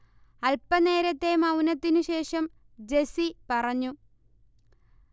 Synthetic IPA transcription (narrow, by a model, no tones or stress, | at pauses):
ɐlpːɐne̞ːɾɐt̪ːe̞mɐwnɐt̪ːinuɕe̞ːʂɐm | d͡ʑe̞sipɐrɐɲːu